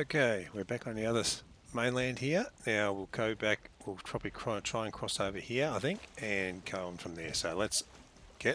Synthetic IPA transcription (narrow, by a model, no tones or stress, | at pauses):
oʊkʰeɪwɪɹbækn̩ðiʌðə˞z | mẽɪ̃nlæ̃nd̚hiɹnaʊwɪlˠɡʰoʊbækwɪlˠpʰɹ̥ɑbəblitʰɹ̥aɪə̃ntʰɹ̥aɪɨ̃nkʰɹ̥ɔsoʊvə˞hiɹaɪθɪ̃ŋkɨ̃nɡʰoʊə̃nfɹʌ̃mðə˞soʊlɨts | ɡ̥ɛ